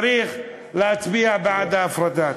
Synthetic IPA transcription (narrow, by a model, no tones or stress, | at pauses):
ɾiːx | laʔt̪biːhʕbaʕd̪ʔafɾˤɑd̪aːt̪